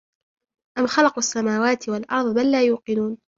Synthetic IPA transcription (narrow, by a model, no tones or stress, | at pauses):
ʔamxɑlɑqasːamaːwaːt̪walʔɑ̰ɾˤðˤbalːaːjuːqɪnuːn